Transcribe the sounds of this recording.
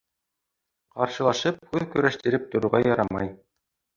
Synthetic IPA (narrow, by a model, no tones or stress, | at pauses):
qɑɾʃɤ̆lˠɑʃɤp̚hʉðkɵ̆ɾæʃt̪ɘ̆ɾɘp̚t̪ŏɾuʁɑjɑɾɑmɑj